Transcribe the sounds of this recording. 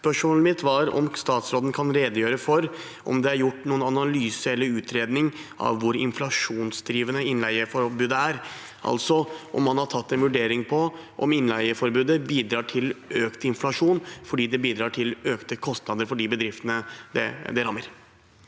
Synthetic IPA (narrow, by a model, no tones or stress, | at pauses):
spœʂmɔːləmɪt̪ʰʋɑɾɔ̰mst̪ɑːt̪sɾoːd̪ən̩kʰɑnɾeːd̪əjøːɾəfɔɾ | ɔ̰md̪ɛæɾjʊʈːnuːənɑnɑlyːsəɛlːəɾʉːt̪ʰɾeːd̪nɪŋɑ̰ʋʋʊɾɪ̰nflɑʂuːnsd̪ɾiːʋənəɪnlæɪəfɔɾbʉːd̪əæɾ | ʔɑ̰lt̪sɔʔɔ̰mːɑnhɑʈʰɑt̪ːɛnʋʉɖeːɾɪŋpʰɔʔɔ̰mɪnlæɪəfɔɾbʉːd̪əbiːd̪ɾɑːʈʰɪløːkt̪ɪnflɑʂuːnfɔɖiːd̪ɛbiːd̪ɾɑːʈʰɪløːkt̪əkʰɔst̪nɑd̪əɾfɔɖiːbəd̪ɾɪft̪ənəd̪ɛ̰d̪ɛɾɑmːəɾ